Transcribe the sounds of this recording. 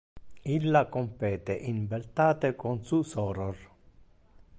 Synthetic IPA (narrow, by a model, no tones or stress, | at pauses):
ilːakompɛːt̪eʔinbelt̪aːt̪ekonsusɔːɾor